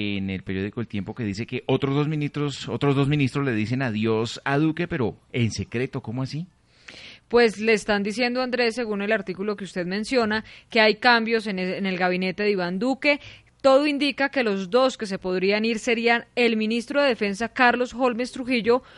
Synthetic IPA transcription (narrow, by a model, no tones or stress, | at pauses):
enelpeɾjo̞ðikoelt̪je̞mpo̞ke̞ðise̞ke̞ʔot̪ɾozd̪ozmĩnist̪ɾosot̪ɾozd̪o̞zmĩnist̪ɾo̞zle̞ðis̬e̞naðjo̞saðuke̞pe̞ɾo̞e̞nse̞kɾe̞t̪o̞komoasi | pwe̞sle̞ːst̪and̪is̬je̞nd̪oand̪ɾe̞sːe̞ɣune̞laɾt̪ikulo̞keust̪e̞ðmẽ̞nsjo̞nake̞ajkambjo̞s̬enne̞lɡaβine̞t̪e̞ðiβand̪uke̞ | t̪o̞ðoind̪ikake̞lo̞zd̪o̞ske̞s̬e̞po̞ðɾianiɾse̞ɾiae̞lmĩnist̪ɾoðe̞ðe̞fe̞nsakaɾlo̞sxo̞lme̞st̪ɾuxiʝo̞